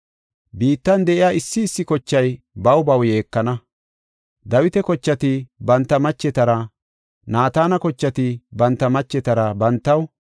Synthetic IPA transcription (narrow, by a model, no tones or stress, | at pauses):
biːt̪ːɐnd̪ɛʔɪjaːɪsːɪːsːɪkɔt͡ʃːɐj | bɐwbɐwje̞ːkːɐnɐ | d̪ɐwɪt̪ɛkɔt͡ʃːɐt̪ɪbɐnt̪ːɐmɐt͡ʃːɛt̪ɐɾɐ | naːt̪aːnɐkɔt͡ʃːɐt̪ɪbɐnt̪ːɐmɐt͡ʃːɛt̪ɐɾɐbɐnt̪ːɐw